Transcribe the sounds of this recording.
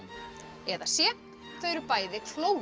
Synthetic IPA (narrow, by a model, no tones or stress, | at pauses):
ɛðasjɛ | θœːɥɾʏpaːjðɪkʰloːw